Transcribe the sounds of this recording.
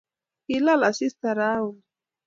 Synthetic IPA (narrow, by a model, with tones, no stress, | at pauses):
kila˦la˨si˦st̪a˨ɾau˨